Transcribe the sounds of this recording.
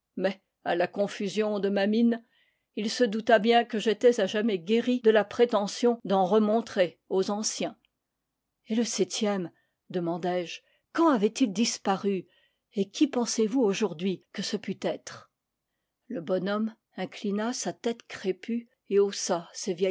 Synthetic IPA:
mɛ | alakɔ̃fyzjɔ̃d̪əmamin | ilsəd̪ut̪abjɛ̃kəʒet̪ɛzaʒamɛɡʲeʁid̪əlapχet̪ɑ̃sjɔ̃d̪ɑ̃ʁəmɔ̃t̪χe | ozɑ̃sjɛ̃ | eləsɛt̪jɛm | d̪əmɑ̃d̪ɛʒ | kɑ̃avɛt̪ild̪ispaʁy | ekʲʰipɑ̃sevuoʒuʁd̪ɥikəsəpyt̪ɛt̪χ | ləbɔnɔm | ɛ̃klinasat̪ɛt̪kχepy | eosasevjɛ

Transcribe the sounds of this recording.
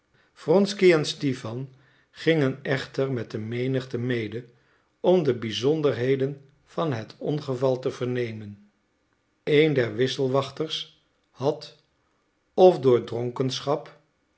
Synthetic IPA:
frɔnskiɛnstifɑn | χɪŋənɛχtəɹmɛt̚dəmejnəχtəmejdə | ɔmdəbizɔndəɹɦejdən | v̥ɑnɦətʰɔnχəvɑlˠtəv̥əɹnejmən | ejndɛɹʋɪsəlˠʋɑχtəɹs | hɑt | ɔfdʊːɹdrɔŋkənsχɑp

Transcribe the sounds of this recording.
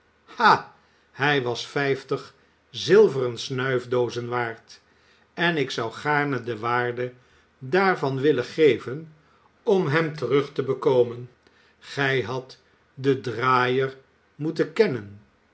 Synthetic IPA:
ha | hɛjʋɑsfɛjftəχ | zɪlˠvərənsnœɥvdowzənʋaːɹt | ɛnɪksɑwχaːɹnədəʋaːɹdə | daːɹvɑnʋɪləχejvən | ɔmɦɛmtərɵχtəbəkowmən | χɛjɦɑt | dədraːjər | mutəkɛnən

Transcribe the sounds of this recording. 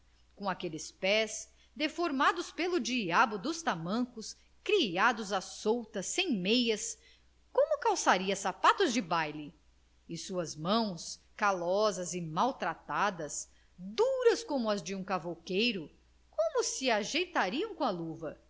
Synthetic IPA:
kõakelɪspɛs | d̪efoɾmad̪ʊspelʊd͡ʒiabʊd̪ʊst̪amɐ̃kʊs | kɾiad̪ʊzasowt̪ɐsːẽj̃mejɐs | kõmʊkawsaɾiɐsapat̪ʊzd͡ʒɪbajlɪ | ɪsuɐzmɐ̃w̃s | kalɔzɐzɪmawt̪ɾat̪ad̪ɐs | d̪uɾɐskõmʊɐzd͡ʒɪũkavokejɾʊ | kõmʊsiaʒejt̪aɾiɐ̃w̃kõaluvɐ

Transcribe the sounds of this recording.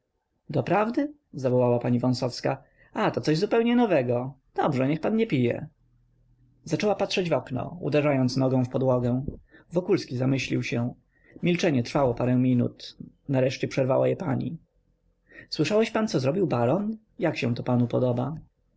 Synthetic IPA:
d̪ɔpɾavd̪ɘ | zavɔwawapaɲivɔ̃w̃sɔfska | at̪ɔt̪sɔʑzupɛwɲɛnɔvɛɡɔd̪̥ɔbʐɛɲɛxpanɲɛpʲijɛ̰ | zat͡ʂɛwapatʂɛd͡ʑvɔknɔ̰ṵd̪ɛʐajɔnt̪snɔɡɔ̃w̃fpɔd̪wɔɡɛ̃vɔkulskʲizamɘɕlʲiwɕɛ | mʲilt͡ʂɛɲɛt̪ɾfawɔpaɾɛw̃mʲinṵt̪ | naɾɛʂt͡ɕɛpʂɛɾva̰wajɛpaɲḭ | swɘʂawɛɕpant̪sɔzɾɔbʲiwbaɾɔn | jakɕɛ̃t̪ɔpanupɔd̪ɔba

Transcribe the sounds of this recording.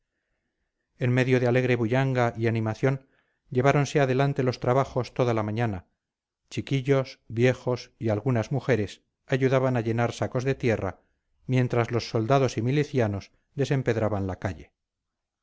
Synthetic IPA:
e̞nme̞ðjo̞ðeale̞ɣ̞ɾe̞βuʎaŋɡaianĩmaθjo̞n | ʎe̞βaɾo̞nse̞aðe̞lant̪e̞lo̞st̪ɾaβaxo̞st̪o̞ðalamãɲana | t͡ʃikiʎo̞sbje̞xo̞sialɣunazmuxe̞ɾe̞s | aʝuðaβanaʎe̞naɾsako̞zðe̞t̪je̞ra̰ | mje̞nt̪ɾazlo̞sːo̞ld̪aðo̞similiθjano̞s | ðe̞se̞mpe̞ðɾaβanlakaʎe̞

